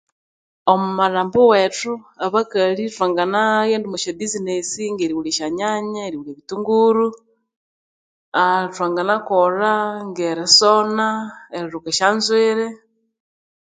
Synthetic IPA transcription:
omumaɾaːmbowetuaβakalitwaːŋɡanajeːndumuʃabizinesiŋɡeɾiwuleʃaɲaɲaeɾiwuleβituŋɡuɾu | ataŋɡanakoɾaŋɡeɾesonaeɾiɾukaʃaːnzweɾe

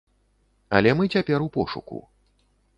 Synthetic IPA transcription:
ɐ̰lʲɛmɨt͡sʲapʲɛɾupɔʂṵkṵ

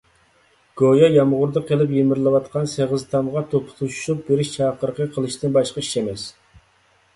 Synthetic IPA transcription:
ɡ̥ojɑjɑmʁʊɾd̪əqʰəlˠɪpjemɪɾlˠɨwɑt̪̚qʰɑnseʁəzt̪ʰɑmʁɑt̪ʰopʰʊ̥t̪ʰuʃu̥ʃup̚beɾɪʃt͡ʃʰɑːqəɾəqʰəqʰəlˠɨʃt̪ɪnbɑʃqɑi̥ʃemɛs

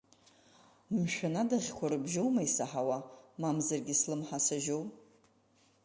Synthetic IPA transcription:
mʃᶣanadaʁʲkʷʰaɾɨbʒowmaisaħawamamzarɡʲɪslɨmħasaʒowp

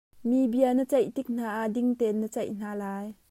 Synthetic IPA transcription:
mibiənət͡sɛjt̪ik̚n̥aːʔaʔdɪŋt̪ɛnət͡sɛjʔn̥aːlaːj

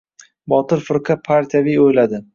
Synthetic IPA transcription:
bɒt̪ɪɾfɪɾqʰapʰaɾt̪ʰijavijojlad̪ɪ

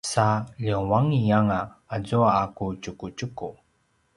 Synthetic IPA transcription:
saʎəwaŋijaŋaazuaakut͡ʃukut͡ʃuku

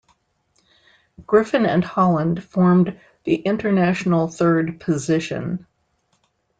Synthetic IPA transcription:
ɡ̥ɹɪfɨ̃nɨ̃nhɑlˠə̃nd̥fɔɹm | ðiʔɪ̃ntə˞næʃn̩l̩ˠθɜ˞d̚pʰɨzɪʃɨ̰̃n

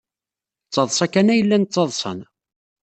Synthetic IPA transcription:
t͡sːɑðˤsˤɑkːænæjəlːænt͡sːɑðˤsˤə̰n

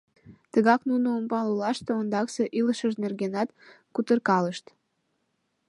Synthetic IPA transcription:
t̪əɣɑknunoompɑlulɑʃt̪eond̪ɑkseʔiləʃəʃnerɣenɑt̪ | kut̪ərkɑləʃt̪

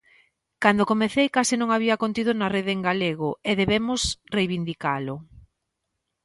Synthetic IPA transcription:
kand̪okomeθejkasɪnõŋaβiɐkont̪iðʊnɐreðeːŋɡaleɣ̞oeðeβemʊsrejβind̪ikalʊ

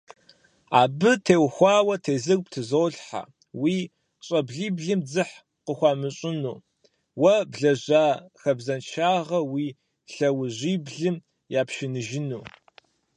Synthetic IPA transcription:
a̰ːbɨtʰeːwxʷɑːwɐtʰeːzɨrʷptʰɨzoːɮħa̰ | wiː | ɕʼɐbɮiːbɮɨmd͡zɨħ | qəxʷɑːmɨɕʼɪnṵː | wɐbɮɐʑaːxɐbzɐnt͡ʃʰaːʁɐwiː | ɬɐwʑiːbɮɨm | jaːpʃɪnɨʒɪnuː

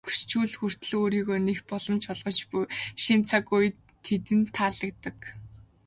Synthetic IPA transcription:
xu̥st͡ɕuːɮxur̥t̪ɮɘ̆oːɾiːɣoːnexpɔɮɞ̆mt͡ɕɔɮʁɞ̆t͡ɕpuʃint͡sʰakuj | t̪ʰːet̪ɘ̆nt̪ʰaːɮə̆k̚t̪ə̆k

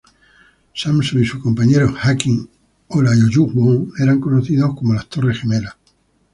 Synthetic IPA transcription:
samsoŋisuhko̞mpaɲe̞ɾoxakiŋ | olajoʒuɣβoŋe̞ɾaŋko̞noθiðo̞hko̞mo̞last̪o̞rexeme̞la

